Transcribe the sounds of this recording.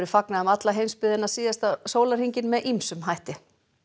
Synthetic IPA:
ɾɪfaknaðamat̪laɦejmspɪðɪnaðsiːðast̪asoːwlaɾ̥hiɲcɪnmɛðʔimsʏmɦajht̪ɪ

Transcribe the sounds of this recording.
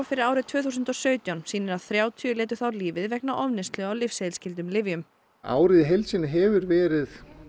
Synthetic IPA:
fɪɾɪɾaːwɾɪðt̪ʰv̥œːθuːsʏnt̪ɔsœːɥt̪jawnsiːnɪɾaðθɾjaːwt̪ʰiʏlɛːt̪̬ʏ̥θawɾliːvɪðvɛknaʔɔvnɪst̪lœɣawlɪfsejlscɪlt̪̬ʏmlɪvjʏm | a̰ːwɾɪðɪɦejlsɪnɪɦɛvʏɾvɛːɾɪð

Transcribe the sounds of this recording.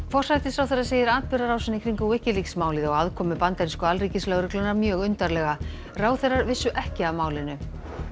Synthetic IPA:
fɔr̥sajt̪ɪsɾawθɛɾːaðseːjðɪɾaːt̪̚pɪɾaɾaːwsɪnːɪkʰɾiŋkawɛhcɪliksmaːwliðaɔɣaðkʰɔːmʏpant̪aɾinskʏalriːcɪslœɣɾʏklʏnaɾmjœːɣʏnt̪aɾlɛɣa | raːwθɛrːaɾvɪsːʏʔɛhcɪavmaːwlɪnːʏ

